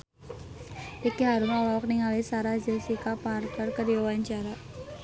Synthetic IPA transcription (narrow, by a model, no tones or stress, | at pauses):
ʔikiɦaɾʊmawawɔk̚niŋalisaɾazɪlsikaparkərkədiwawaɲt͡ʃaɾa